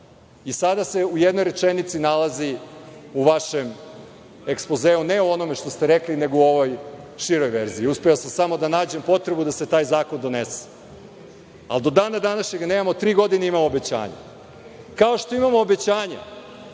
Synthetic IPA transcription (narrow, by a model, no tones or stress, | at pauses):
isad̪ase̞ujed̪nojɾe̞t͡ʂenit̪sinalaziuʋaʃem | ekspozeːuneuo̞no̞meʃt̪o̞st̪eɾekline̞ɡouo̞ʋo̞jʃiɾo̞jʋeɾziːuspejosamsamo̞d̪anaːd͡ʑe̞mpo̞t̪ɾebud̪aset̪aːjzaːko̞nd̪o̞nese̥ | a̰ld̪o̞d̪aːnad̪anaʃɲeɡaneːmamot̪ɾiːɡo̞d̪ineimamoobet͡ɕa̰ːɲa̰ | kao̞ʃt̪o̞imamoːbet͡ɕaːɲa̰